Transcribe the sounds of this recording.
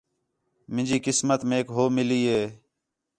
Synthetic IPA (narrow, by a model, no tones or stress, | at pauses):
mɪ̃d͡ʒiːkɪsmət̪meːkɦoːmɪliːɦeː